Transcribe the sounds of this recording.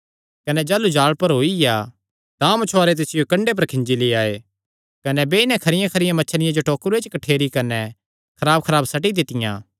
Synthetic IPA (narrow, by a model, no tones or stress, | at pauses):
kɐnɛd͡ʒɛːlud͡ʒaːɭpɐɾɦoːija | t̪ãːmɐt͡ʃʰoaːɾet̪̬esɪjokɐ̃ɳɖep̬ɐɾkʰɪ̃nd͡ʒileaːe | kɐnɛbeːɪnɛ̃kʰɐɾɪjãkʰɐɾɪjãmɐːt͡ʃʰɽ̃ɪjãd͡ʒoʈoːkɾuet͡ʃkɐʈʰeːɾikɐnɛ | kʰɐɾaːb̚kʰɐɾaːbsɐʈ̬id̪ɪt̪ɪjã̰ː